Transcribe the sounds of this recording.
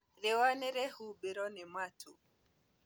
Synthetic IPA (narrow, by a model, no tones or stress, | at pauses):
ɾewanɛɾɛhubeɾɔnematʰu